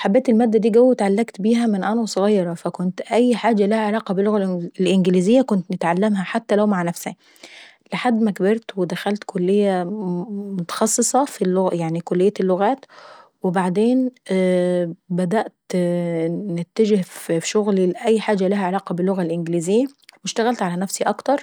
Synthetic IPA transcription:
ħabːeːt̪elmæːd̪ːæd̪iːɡæwːet̪ʕalːæɡt̪biːɦæmɪnʔænæwsˤoɣɑjːɑɾˤɑfækʊnt̪ʔæjːħaːd͡ʒːælæhæʕelɑːqɑbelːoɣælʔlʔɪnɡliːzɪjːækʊnt̪nɪt̪ʕalːæmɦæħat̪ːælæwmaʕnæfsæ̰ | lɪħad̪ːmækbeɾˤt̪wed̪æxælt̪kʰolːejːæ | mot̪ɑ̥xɑsˤːɨsˤɑfilːoɣjaʕnikolːejːælːʊɣæːt̪wɪbaʕd̪eːn | bæd̪æʔt̪ | nɪt̪ːæd͡ʒɪhffʃʊɣliʔæjːħaːd͡ʒːælæhæʕelæːqɑbɪlːʊɣælʔɪnɡliːzɪjːæwɪʃt̪æɣælt̪ʕalænæfsiʔɑkt̪ɑɾˤ

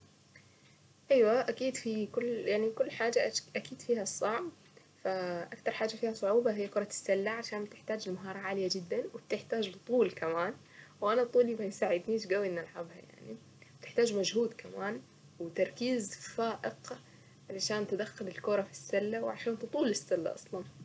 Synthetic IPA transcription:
ʔajwaʔakiːd̪fikʊljaʕnikʊlːħaːd͡ʒaʔʔakiːd̪̥fiːhasˤːɑʕb | faʔakt̪ɑɾˤħaːd͡ʒafiːhɑsˤʊʕuːbɑɦɪjːakʊɾˤɑt̪ɪ̥sːalːaʕaʃaːmb̚t̪ɪħt̪aːd͡ʒɪlmaɦɑːɾˤɑʕaːlɪjad͡ʒɪd̪ːanwɪb̚t̪ɪħt̪aːd͡ʒbɨt̪ˤuːlkamaːn | wʔanat̪ˤuːlibajsaːʕɪd̪niːʃɡawːinalʕabha̰ja̰ʕni | b̚t̪ɪ̥ħt̪aːd͡ʒmad͡ʒɦuːd̪kʰamaːn | wɪt̪ɑɾˤkiːzfaːʔɪq | ʕalaʃaːnt̪ɪd̪axːʊlɪlkʊɾˤɑfi̥sːalːawʕaʃaːnt̪ɨt̪ˤuːlɪsːalːa̰ʔɑ̰sˤlɑn

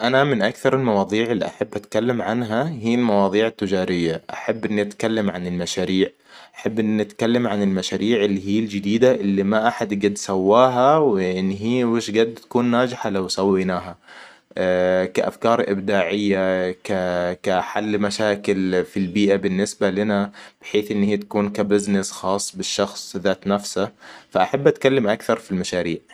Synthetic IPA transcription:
ʔanamɪnʔakθɑɾˤɪlmɑwɑːðˤiːʕɪlːḭʔa̰ħabːʔat̪kalːamʕanɦahiːlmɑwɑːðˤiːʕɪt̪ːɪd͡ʒɑːɾɪjːaʔaħabːʔɪnːiʔat̪kalːamʕanɪlmaʃaːɾiːʕ | ʔaħabːʔɪnːʔat̪kalːamʕanɪlmaʃaːɾiːʕɪlːiɦiːld͡ʒɪd̪iːd̪aʔɪlːimaʔaħad̪ɡad̪sawːaːɦawɪʔɪnːɦiːwɪʃɡad̪t̪ḁkuːnːaːd͡ʒɪħalawsawːinaːɦa | kaʔa̰fkɑːɾˤʔɪ̰bd̪aːʕɪjːakakaħalːmaʃaːkɪlfilbiːʔabɪnːɪsbalɪnab̥ɪħeːθʔɪnːhiːt̪ḁkuːnkabɪznɪsxɑːsˤːbɪʃːɑxsˤðaːt̪nafsafaʔaħabːʔat̪̚kalːamʔakθɑɾˤfilmaʃaːɾiːʕ

